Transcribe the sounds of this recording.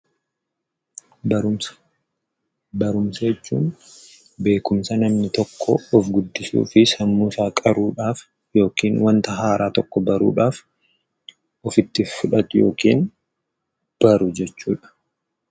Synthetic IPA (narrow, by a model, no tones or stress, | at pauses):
bɐɾʊmsɐjɛt͡ʃːṵːn | be̞ːkʊmsɐnɐmnɪt̪ɔkʰːɔːfɡʊd̪ːɪsṵːfɪsɐmːuːsaːkʼɐɾuːᶑaːf | jo̞ːkiːnwɐnt̪ɐɦaːɾʔaːt̪ɔkːɔbɐɾṵːᶑaːf | ʔɔfɪt̪ːɪfʊᶑɐt̪ʊjoːkiːn | b̥ɐɾʊd͡ʒɛt͡ʃːuːᶑɐ̥